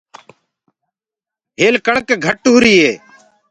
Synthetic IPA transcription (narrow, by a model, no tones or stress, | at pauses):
ɦeːlkəɳkɡʱəʈuːɾiːeː